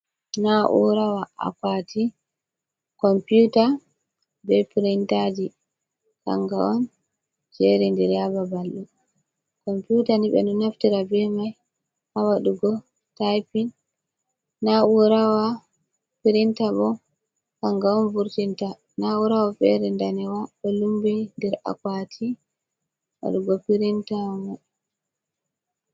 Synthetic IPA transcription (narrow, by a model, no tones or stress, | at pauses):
naʔṵɾawaa̰kwaːtʰi | kɔmputa | bɛpiɾintad͡ʒi | ka̰ŋɡaɔn | d͡ʒɛɾindɛɾjababalːu | kɔmputaniɓɛ̰nɔnaftiɾabɛmaj | hawaɗuɡɔ | tajpinː | auɾawa | piɾintabɔ | kaŋɡaɔnvuɾtinta | nauɾawafɛ̰ɾɛndanɛwaɓɛlumbɛndɛɾa̰kwatʰi | wa̰ɗuɡɔpiɾintamɔ